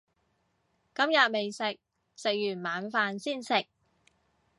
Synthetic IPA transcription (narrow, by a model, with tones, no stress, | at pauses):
kɐ˥mjɐ˨˩t̚me˨jsɪ˨k̚ | sɪ˨k̚jyː˨˩nmaː˨˥nfaː˧nsiː˥˩nsɪ˨k̚